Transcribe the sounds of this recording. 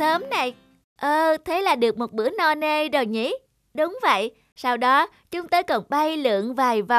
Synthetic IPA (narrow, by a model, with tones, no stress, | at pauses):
səː˨˦mna˨˧˩j | ʔəː˧t̪ʰe˨˦laː˨˩ɗɨ˨˩ək̚mo˨˩t̚ɓɨ˧˥ənɔ˧˩ne˧zo˨˩jŋḭ˧˥ | ɗʊ˨˦wŋ͡mvə̰˧˨j | saː˧wɗɔ˨˦ | t͡ɕʊ˨˦ŋ͡mt̪oː˧jkɔ˨˩nɓə˧jlɨ̰˧˨əŋvaː˨˩jva˨˩